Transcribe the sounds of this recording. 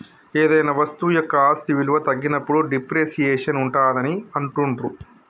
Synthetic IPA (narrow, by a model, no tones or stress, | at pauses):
eːd̪ɐjnɐʋɐst̪ujɔkːɐaːst̪iʋiluʋɐt̪ɐɡːinɐpːuɽuɖipɾeːʃijeːʂɐnuɳʈaːd̪ɐniɐɳʈuɳʈɾu